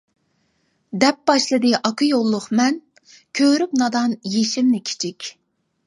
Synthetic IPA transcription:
d̪ɛp̚bɑʃlˠɨd̪ɨʔɑkʰɨjolˠːʊχmɛn | kʲʰøɾyp̚nɑd̪ɑnjeʃimnɪkʲʰi̥t͡ʃʰikʲ

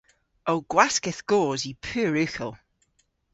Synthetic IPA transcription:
owɡ̥waskɪθɡ̥oːzipʰʉːɹʉxəlˠ

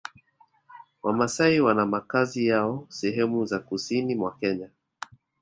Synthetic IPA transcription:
wamasaiwanamakazijaɔsɛɦɛmuzakusinimwakɛɲa

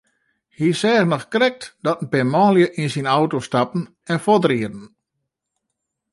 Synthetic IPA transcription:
hisɛːɣnɔxkrɛk̚td̥ɔtən̩pɪmɔːljəʔinsinawtostapn̩ | ɛnfɔdriədn̩

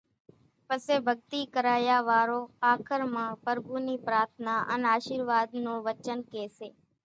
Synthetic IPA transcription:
pəseːbʱəɡ̚t̪iːkəɾaːjaːʋaːɾoːaːkʰəɾmãːpəɾɡuːniːpɾaːɾt̪ʰnaːʔə̰naːʃiːɾʋaːd̪nũːʋət͡ʃənkeːseː

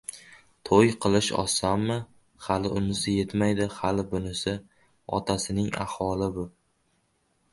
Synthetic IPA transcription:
t̪ʰojqʰɨlˠɪʃɒ̰samːɪ | halɪʔʊmɪzaje̞t̪majd̪ɪhalɪbʊnɪsɪ | ɒ̰t̪ʰasɪnɪŋa̰hɒlɪbʊ

